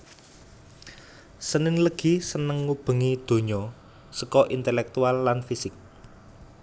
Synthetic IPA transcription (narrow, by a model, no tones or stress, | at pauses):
sənɪnləɡ̥i̤sənəŋːub̥ə̤ŋid̪̥o̤ɲɔ | səkɔʔint̪elɛk̚t̪ualːanfisɪk̚